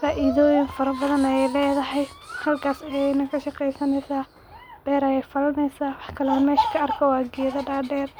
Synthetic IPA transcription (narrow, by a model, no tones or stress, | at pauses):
faːʔɪðɔːjɪŋfɐɾɐbɐðɐnɐjɛjlɛːðɐɦɛjhɐlkʰaːsɐjɛnɐkʰɐʃɐqɛjsɐnɛjsaː | ɖ̥ɛːɾɐjɛjfɐlɐnɛjsaːwɑħkʰɐlɛɐmɛːʃkʰɐɐrkʰɔwɑːɡɪjɐðɐɖaːɖɛːr